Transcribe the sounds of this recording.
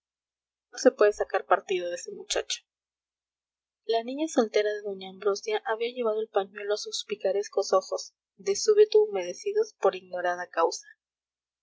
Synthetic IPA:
no̞se̞pwe̞ðesakaɾpaɾt̪ið̞o̞ðesemut͡ʃa̰t͡ʃo̥ | lanĩɲaso̞lt̪e̞ɾaðe̞ðo̞ɲaːmbɾosjaʔaβiaʝe̞βað̞o̞e̞lpaɲwe̞lo̞asuspikaɾesko̞so̞xo̞z̥ | ðe̞suβit̪uːme̞ðe̞siðo̞spo̞ɾiɣno̞ɾaðakawsḁ

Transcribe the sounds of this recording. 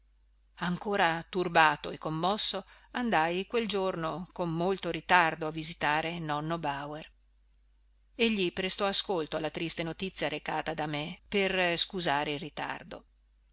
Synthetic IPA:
aŋkoːɾat̪urbaːt̪o̰ekːomːɔsːo | and̪ajkweld͡ʒornokomːolt̪oɾit̪ard̪oavːizit̪aːɾenɔnːobawer | eʎːipɾest̪ɔaskolt̪oalːat̪ɾist̪enot̪it̪sːjaɾekaːt̪ad̪ameperskuzaːɾeilrit̪a̰rd̪o̰

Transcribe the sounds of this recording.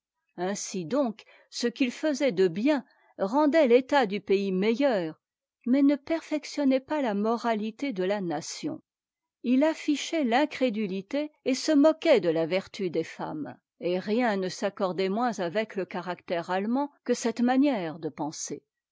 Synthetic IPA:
ɛ̃sid̪ɔ̃k | səkilfəzɛd̪əbjɛ̃ | ʁɑ̃d̪ɛlet̪ad̪ypeimejœːʁ | mɛnəpɛʁfɛksjɔnɛpalamɔʁalit̪ed̪əlanasjɔ̰̃ | ilafiʃɛlɛ̃kχed̪ylit̪eːsəmɔkɛd̪əlavɛʁt̪yd̪efa̰m | eʁjɛ̃nəsakɔʁd̪ɛmwɛ̃zavɛkləkaʁakt̪ɛʁalmɑ̃kəsɛt̪manjɛʁd̪əpɑ̃se

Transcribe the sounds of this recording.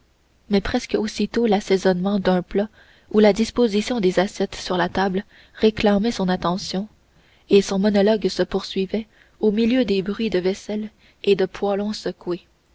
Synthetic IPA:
mɛpχɛskosit̪olasɛzɔnmɑ̃d̪œ̃pla | ulad̪ispozisjɔ̃d̪ezasjɛt̪syʁlat̪abl | ʁeklɑ̃mɛsɔ̃nat̪ɑ̃sjɔ̃ | esɔ̃mɔnɔlɔɡsəpuʁsɥivɛ | omiljød̪ebʁɥid̪əvɛsɛl | ed̪əpʰwalɔ̃səkwe

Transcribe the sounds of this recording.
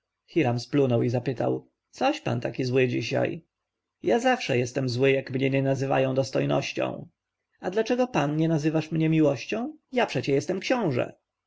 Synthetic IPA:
xiɾamsplunɔwizapɘt̪a̰w | t̪sɔɕpa̰nt̪akʲizwɘd͡ʑiɕa̰j | jazafʂɛ̰jɛst̪ɛmzwɘjakmɲɛɲɛnazɘva̰jɔ̃w̃d̪ɔst̪ɔjnɔ̰ɕt͡ɕɔ̰̃w̃ | ad̪lat͡ʂɛɡɔpanɲɛnazɘvaʂmɲɛmʲiwɔɕt͡ɕɔ̃w̃japʂɛt͡ɕɛjɛst̪ɛmkɕɔ̃w̃ʐɛ̰

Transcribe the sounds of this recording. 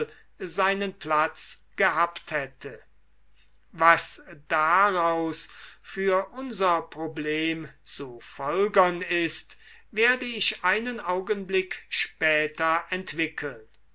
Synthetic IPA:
zaɪnənplat͡sɡ̥əɦaːpthɛtʰə | vasd̥aʁaʊsfyːɐʔʊnzɐpʁobleːmt͡sufɔlɡɐnɪst | veːɐdəɪʃaɪnənʔaʊɡənblɪkʃpɛːtɐɛntv̥ɪkʰəln

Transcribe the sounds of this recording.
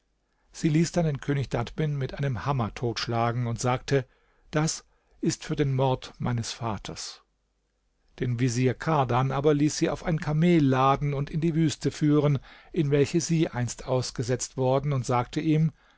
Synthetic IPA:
z̥iːliːsd̥andeːnkʰøːnɪçd̥atb̥ɪnmɪtʔaɪnəmhamɐtʰoːtʃlaːɡŋ̩ʊntz̥aːk̚tʰə | d̥as | ʔɪstfyːɐdeːnmɔɐtmaɪnəsfaːtʰɐs | d̥eːnviziːɐkʰaɐdanʔaːbɐliːsz̥iːa̰ʊfaɪnkʰameːlːaːdn̩ʊntɪndiːvyːstəfyːʁ̞ənʔɪnvɛlçəziːʔaɪnstʔaʊsɡ̥əzɛt͡stv̥ɔɐdn̩ʊntz̥aːktəʔiːm

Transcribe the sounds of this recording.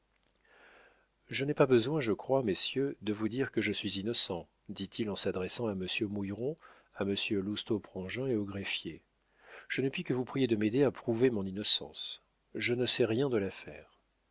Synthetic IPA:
ʒənɛpabəzwɛ̃ʒəkχwamesjød̪əvud̪iʁkəʒəsɥizinɔsɑ̃ | d̪it̪ʰilɑ̃sad̪ʁɛsɑ̃aməsjømujʁɔ̃ | aməsjølust̪opχɑ̃ʒɛ̃eoɡʁefje | ʒ̥ənəpɥikəvupχijed̪əmed̪eapχuvemɔ̃ninɔsɑ̰̃s | ʒənəsɛʁjɛ̃d̪əlafɛ̰ːʁ

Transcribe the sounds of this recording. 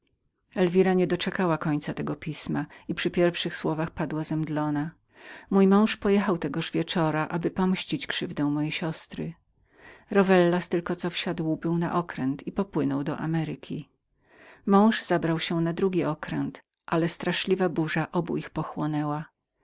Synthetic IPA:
ɛlvʲiɾaɲɛd̪ɔt͡ʂɛkawakɔɲt̪sat̪ɛɡɔpʲismaipʂɘpʲjɛɾfʂɘxswɔvaxpad̪wazɛmd̪lɔna | mujmɔ̃w̃ʂpɔjɛxawt̪ɛɡɔʐvʲjɛt͡ʂɔɾaʔabɘpɔmɕt͡ɕit͡ɕkʂɘvd̪ɛw̃mɔjejɕɔst̪ɾɘ | ɾɔvɛlːast̪ɘlkɔt̪sɔfɕad̪wbɘwna̰ʔɔkɾɛnt̪ʰipɔpwɘnɔwd̪ɔ̰ʔa̰mɛɾɪkʲʰi | mɔ̃w̃ʐz̥abɾawɕɛnad̪ɾuɡʲiɔkɾɛnt̪ | ʔalɛst̪ɾaʂlʲivabuʐaʔɔbṵixpɔxwɔnɛwa

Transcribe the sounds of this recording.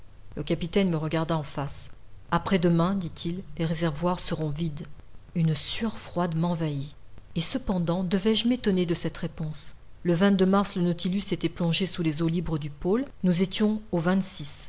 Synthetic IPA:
ləkapit̪ɛnməʁəɡaʁd̪aɑ̃fas | apχɛd̪əmɛ̃d̪it̪ʰilːeʁezɛʁvwaʁsəʁɔ̃vid̪ynsyʁfχwad̪mɑ̃vaiesəpɑ̃d̪ɑ̃d̪əvɛʒmet̪ɔned̪əsɛt̪ʁepɔ̃s | ləvɛ̃t̪̚d̪ømaʁslənɔt̪ilyset̪ɛplɔ̃ʒesulezolibʁəd̪ypolnuzet̪jɔ̃ovɛ̃t̪sis

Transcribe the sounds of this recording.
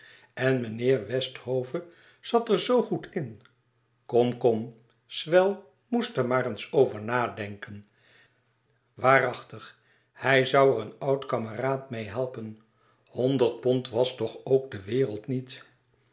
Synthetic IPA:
ɛnmənɪːɹʋɛsthowvə | z̥ɑtəɹzowχutʰɪn | kɔmkɔm | sʋɛlˠ | mustəɹmaːɾənsowvəɹnaːdɛŋkən | ʋaːrɑχtəχ | hɛjzʌwərənɑwtkɑməraːtmejɦɛlˠpən | hɔndəɹt̚pɔntʋɑstɔχowk̚dəʋɪːrəlˠtnit

